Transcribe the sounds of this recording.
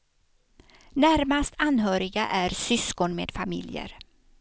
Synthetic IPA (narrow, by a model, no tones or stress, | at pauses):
næɾmast̪ʰanɦœːɾɪɡaʔæɾsʏskɔnmḛːd̪̥famɪ̰ljə̰ɾ